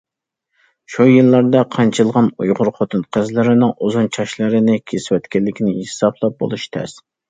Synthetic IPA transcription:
ʃujɨlˠːɑɾd̪ɑqʰɑnt͡ʃʰɨlˠʁɑnujʁʊɾχot̪ʰɨnqʰɨzlɪɾɪnɪŋʔuzunt͡ʃʰɑʃlˠɨɾɪnɪkʲʰeswɛt̪kʲɛlːɪkʲʰinɪhsɑpʰlˠɑp̚bo̰lˠuʃt̪ʰɛ̰s

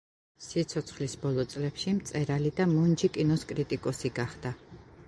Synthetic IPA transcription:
sit̪sʰɔt̪sʰχlisbɔlˠɔt̪sʼlɛpʃimt̪sʼɛɾalid̪amund͡ʒikʼinɔskʼɾit̪ʼikʼɔsiɡaχd̪̥a

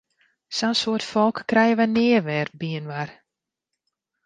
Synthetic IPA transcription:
sɔnsoːərtfɔlˠkːrɛjəʋənɪərʋɛr̚biənʋar

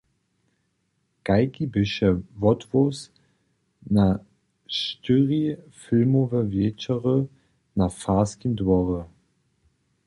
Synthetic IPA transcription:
ɡ̥aɪkibɪʃəvɔtvos | na | ʃtʏʁifɪlmovəvjɛːt͡ʃɐʁə | nafaːskindvɔʁə

